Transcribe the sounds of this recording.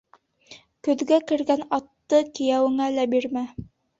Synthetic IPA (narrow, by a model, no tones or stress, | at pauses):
kɵ̆ðɡækɘ̆ɾɡænɑt̪ːɤkĭjæwɘ̆ŋælæbiɾmæ